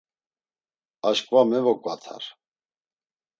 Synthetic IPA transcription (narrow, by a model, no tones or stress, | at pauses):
aʃkʼvamɛvɔkʼvat̪ʰa̰ɾ